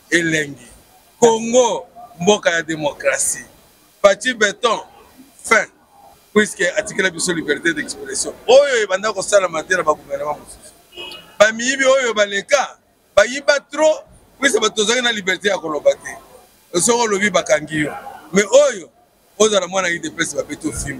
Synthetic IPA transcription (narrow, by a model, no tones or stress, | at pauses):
elɛŋɡi | koŋɡombokajademokʁasi | patibɛtɔ̃ | fɛ̃ | pwiskɛatikɛlabisolibɛʁit̬edɛkspitasjɔ̃ojoebandakosalamatɛnabaɡuvɛʁnemãmosu̥su̥bamijibiojobaleka | bajibatʁo | pwisbatozakinalibɛʁit̬ejakolobatɛ | s̬okolobibakaŋɡijɔmɛʔojo | ozalamwanaidepɛsbabetofim